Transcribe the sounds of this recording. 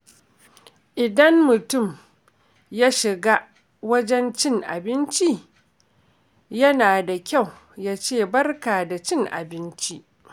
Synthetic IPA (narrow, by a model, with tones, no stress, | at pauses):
ʔɪ˨dɐ˦mmʊ˨tʊ˦˨m | jaː˦ʃɪ˨ɡa˦ | wɐ˦d͡ʒɛ˦nt͡ʃɪ˦ŋʔa̰˨bɪ˦nt͡ʃi˦ | jɐ˦naː˨da˨kʲa˦˨w | jaː˦t͡ʃeː˦˨bɐ˦rkaː˨da˨t͡ʃɪ˦˨ŋʔa̰˨bɪ˦nt͡ʃi˦ʔ